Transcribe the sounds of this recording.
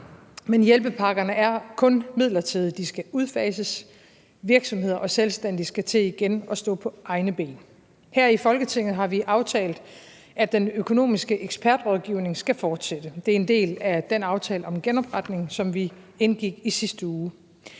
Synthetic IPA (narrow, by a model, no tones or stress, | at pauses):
menjelb̥əpʰɑ̈ɡ̥ɐnəæɐkʰɔ̽nmið̞̰ˠlɐt͡sʰiðˠd̥isɡ̥æʔuð̞ˠfɛ̰ːsəs | ʋiɐɡ̥sɒ̽mɦe̝ð̞̰ˠɐʔɒ̽selsd̥en̰d̥isɡ̥æt͡sʰe̝̰ːiɡ̥enɒ̽sd̥ɔ̰̽ːpʰɒ̽ʔɑ̈ɪnəb̥e̝̰ːn | hæɐ̰ifɒ̽lɡ̥ət͡sʰe̝ŋð̩ˠɦɑ̈ʋiʔɑ̈ʊt͡sʰɛ̰ːld̥ | ʔæd̥enøkʰo̝no̝̰ːmisɡ̥əʔeɡ̥sb̥ʰæɐd̥ʁɒð̞ˠɡ̥iʊne̝ŋsɡ̥æfɒːd̥sed̥əd̥e̝ɐe̝nd̥e̝̰ːlæd̥enɑ̈ʊt͡sʰɛːləɒ̽mɡ̥enɒ̽b̥ʁɑd̥ne̝ŋsɒ̽mʋi | enɡ̥iɡ̥isisd̥əuː